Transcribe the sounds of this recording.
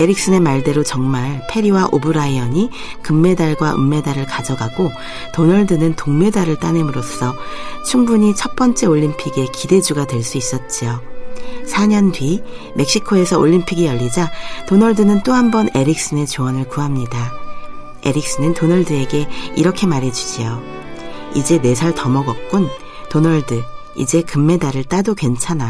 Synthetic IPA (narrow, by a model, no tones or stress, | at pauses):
e̞ɾik̚s͈ɯne̞maɭde̞ɾot͡ɕʌŋmaɭpʰe̞ɾiwaʔobɯɾaiʌɲi | kɯmːe̞daɭɡwaʔɯ̰mːe̞daɾɯɭkad͡ʑʌɡaɡo | tonʌɭdɯnɯntoŋme̞daɾɯɭt͈anemuɾos͈ʰʌt͡ɕʰuŋbuɲit͡ɕʰʌp͈ʌnt͡ɕ͈e̞oʎːimpʰiɡe̞kide̞d͡ʑuɡadwe̞ɭs͈uis͈ʌt̚t͡ɕ͈ijo | sʰaɲʌnbɥi | me̞k̚ɕ͈ikʰoe̞sʰʌoʎːimpʰiɡijʌʎːid͡ʑatonʌɭdɯnɯnt͈oɦambʌne̞ɾik̚s͈ɯne̞t͡ɕoʌnɯɭkuɦamɲida | e̞̰ɾik̚s͈ɯnɯntonʌɭdɯe̞ɡe̞iɾʌkʰe̞maɾɦe̞d͡ʑuɕʰijo | id͡ʑe̞ne̞sʰaɭtʌmʌɡʌk̚k͈un | tonʌɭdɯ | ḭd͡ʑe̞kɯmːe̞daɾɯɭt͈adokwe̞nt͡ɕʰana